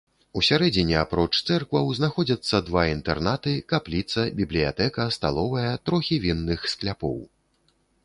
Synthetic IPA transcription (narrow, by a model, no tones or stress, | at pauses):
usʲaɾɛd͡zʲinʲiapɾɔt͡ʂt̪sɛrkvɐwznaxɔd͡zʲɐt̪sːɐd̪vaint̪ɛrnat̪ɨkaplʲit̪sɐbʲiblʲija̰t̪ɛkɐst̪a̰lˠɔvɐjɐt̪ɾɔxʲivʲinːɨxsklʲapɔ̰w